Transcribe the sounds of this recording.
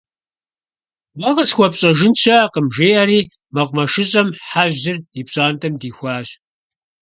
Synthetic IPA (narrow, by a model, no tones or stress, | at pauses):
wɐʁɐsxʷɔpɕʼɐʒɪnt͡ʃʰɐqəmʒeːɐɾiː | mɐqʷʼmɐʃɨɕʼɐmħaʑɪripɕʼaːntʰɐmdiːxʷɑːɕ